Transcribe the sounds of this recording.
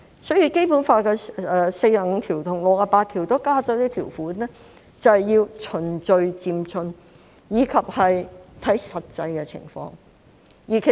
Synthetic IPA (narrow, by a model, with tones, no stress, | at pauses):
sɔ˨˥ji˧˥ke˥jpuː˨˥nfaː˧kɛ˧ɛː˧se˧jaː˨˩ŋ̩˧t̪ʰiː˨˩wt̪ʰʊ˨˩ŋlʊ˨k̚aː˧paː˧t̪ʰiː˨˩wt̪o˥wkaː˥t͡sɔː˨˥t̪iː˥t̪ʰiː˨˩wfuː˨˥nɛː˥ | t͡sɐ˨whɐ˨jːiː˧wt͡ʃʰɵ˨˩nt͡sɵ˧ɥt͡siː˧mt͡sʰɵ˧n | jiː˨˧kʰɐ˨p̚hɐ˨jt̪ʰɐ˨˥jsɐ˨t̚t͡sɐ˧jkɛː˧t͡sʰɪ̰˨˩ŋfɔ̰ː˧ŋ | jiː˨˩kʰe˨